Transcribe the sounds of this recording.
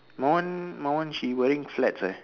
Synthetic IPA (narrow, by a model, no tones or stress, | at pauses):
mawə̃nmãwə̃nʃiwɛɾĩŋflɛtsə